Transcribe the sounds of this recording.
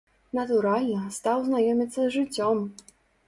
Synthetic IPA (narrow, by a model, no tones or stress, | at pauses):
nɐt̪uɾalʲnɐst̪awznajɔmʲit̪sːɐzʐɨt͡sʲːɔm